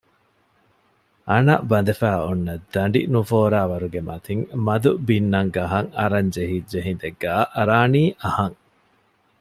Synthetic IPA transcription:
ʔɐnɐ̰bɐnd̪efæːunːɐd̪ːɐɳɖḭnufoːɾaːʋɐɾuɡemɐt̪iŋmɐd̪ubinːɐŋɡɐɦɐŋɐɾɐɲd͡ʒeɦid͡ʒeɦind̪eɡːaːʔɐɾaːniːʔɐhɐŋ

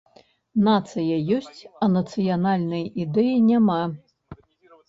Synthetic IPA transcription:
nat̪sɨjɐjɔsʲt͡sʲɐnɐt̪sɨjanalʲnɐjid̪ɛjinʲama

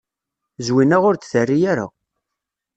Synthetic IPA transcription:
zwinæʁʊɾt͡sθərːijaɾa̰

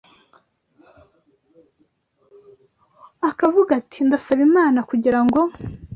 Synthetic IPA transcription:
akavuɡatindasaβimaːnakuɟiɾaŋɡo̞

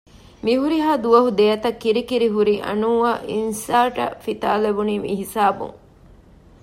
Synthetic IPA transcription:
miɦuɾiɦaːd̪uʋɐɦud̪ejɐt̪ɐkːiɾikiɾiɦuɾiʔɐ̰nuːaːʔinsaːʈɐ̰fit̪a̰ːlebuniːmiɦisaːbṵŋ

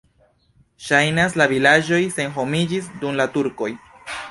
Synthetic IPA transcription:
ʃajnas̬lavilad͡ʒo̞jse̞nɦo̞mid͡ʒisdumlatuɾko̞j

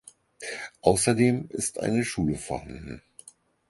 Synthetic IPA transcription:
ʔaʊsɐdeːmɪ̰stʔa̰ɪnəʃuːləfɛɐha̰ndn̩

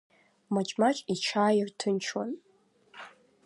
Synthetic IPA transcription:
mat͡ʃʼmat͡ʃʼit͡ʃʰaːjirtʰɨnt͡ʃʰwa̰n

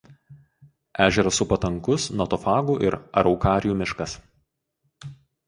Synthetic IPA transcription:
æːʒʲɛɾɐsʊpɐt̪ɐŋkʊsnɔt̪ɔfɑːɡuːʔɪ̰ɾɐ̰ɾɒʊkɑːɾʲjuːmʲɪʃkɐs

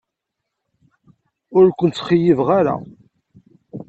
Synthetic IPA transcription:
ʊɾkʷənt͡sːχijivʁaɾa̰

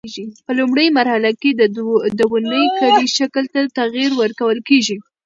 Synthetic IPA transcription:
ʒipəlumɽəjmaɾhalaked̪d̪əwund̪əjkaliʃakəlt̪at̪aɣiɾwəɾkawəlkeʒi

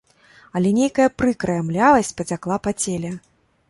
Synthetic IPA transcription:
ɐlʲɛnʲejkɐjɐpɾɨkɾɐjamlʲalˠɐsʲt͡sʲpɐt͡sʲaklˠapat͡sʲelʲɛ

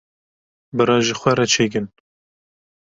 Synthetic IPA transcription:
bɨɾɑːʒɪxʷɛɾɛt͡ʃʰeːk̬ɨn

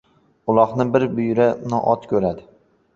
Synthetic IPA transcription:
ʊlˠɒχnɪbɪɾbʊjɾanɒ̰ʔɒt̪kʲʰɵɾad̪ɪ

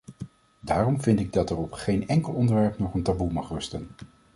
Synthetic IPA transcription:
daːrɔmvɪntɪɡ̚dɑtɛɹɔpχejnɛŋkəlˠɔndəɹʋɛɹpnɔχəntabumɑχrɵstən

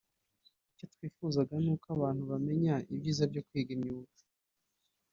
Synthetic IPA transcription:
ico̞twiːfuzaɡanuːkaβaːn̥huβame̞ɲaibɟiːzabɟo̞kwiːɡimɲuːvu̥

